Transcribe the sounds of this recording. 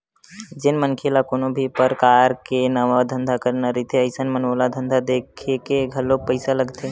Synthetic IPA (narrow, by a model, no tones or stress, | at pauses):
d͡ʒɪnmənkʰelakoːnobʱipəɾkaːɾkenəʋad̪ʱə̃nd̪ʱakəɾnaɾit̪eəɪsənmənoːlad̪ʱə̃nd̪ʱad̪eːkʰekeɡʱəlopəɪsaləɡt̪e